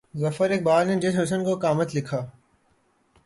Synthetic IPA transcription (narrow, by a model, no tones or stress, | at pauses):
zɐfəɾeːk̚baːɾned͡ʒɪʈɦɐs̬ənkokaːmət̪lɪkʰaː